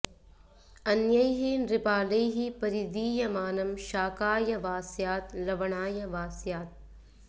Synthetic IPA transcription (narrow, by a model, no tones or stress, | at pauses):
ɐnjɐjɦinɾɪpaːlɐjɦipɐɾid̪iːjɐmaːnɐmʃaːkaːjɐʋaːsijaːt̪lɐʋɐɳaːjɐʋaːsijaːt̪̚